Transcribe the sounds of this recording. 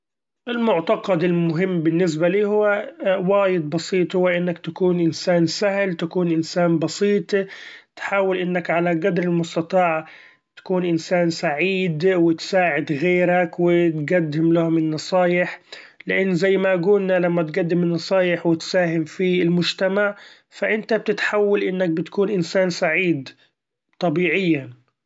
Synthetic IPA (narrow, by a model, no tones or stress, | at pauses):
ʔɪlmʊʕt̪ɑqɑd̪ɪlmʊɦɪmːbɪnːɪs̬baliːhʊwːawaːjɪd̪̚bɑsˤiːt̪ˤhʊwːaʔɪnːakt̪akuːnʔɪnsaːnsahlt̪akuːnʔɪnsaːnbɑsiːt̪ˤt̪ħaːwɪlʔɪnːakʕalaɡad̪ɾɪlmʊst̪ɑt̪ˤɑːʕ | t̪ḁkuːnʔɪnsaːnsaʕiːd̪wɪt̪saːʕɪd̪ɣeːɾakwɪt̪ɡad̪ːɪmlahʊmɪnːɑsˤɑːjɪħlɪʔanːzajːmaʔaɡuːlnalamːat̪ɡad̪ːɪmɪnːɑsˤɑːjɪħwɪt̪saːɦɪmfiɪlmʊd͡ʒt̪amaʕ | faʔɪnt̪ab̚t̪ɪt̪ħawːalʔɪnːak̚bɪt̪kuːnʔɪnsaːnsaʕiːd̪ | t̪ˤɑbiːʕɪjːa